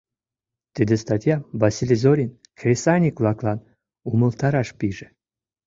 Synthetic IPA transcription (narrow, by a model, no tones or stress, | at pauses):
t̪ɨd̪est̪at̪ʲjavasʲilʲizoɾʲin | krʲesanʲiklˠɑklˠɑn | umə̆lˠt̪ɑɾɑʃpiʒe